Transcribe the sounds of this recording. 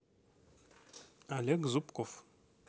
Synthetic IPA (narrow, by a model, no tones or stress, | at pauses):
alɛkzupkɔf